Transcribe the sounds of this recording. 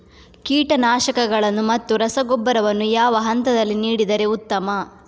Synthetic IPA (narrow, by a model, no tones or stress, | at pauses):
kiːʈɐnaːʃɐkɐɡɐɭɐnːumɐt̪ːuɾɐsɐɡɔbːɐɾɐʋɐnːujaːʋɐɦɐnt̪ɐd̪ɐlːiniːɽid̪ɐɾe̞ut̪ːɐmɐ